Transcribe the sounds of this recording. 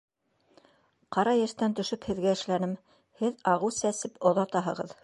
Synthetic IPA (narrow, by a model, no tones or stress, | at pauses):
qɑɾɑjæʃt̪ænt̪ɵ̆ʃɵphɘ̆ðɡæɘ̆ʃlænɘm | hɘðɑʁɤwsæsɘpŏðɑt̪ɑɦɤ̆ʁɤ̰ð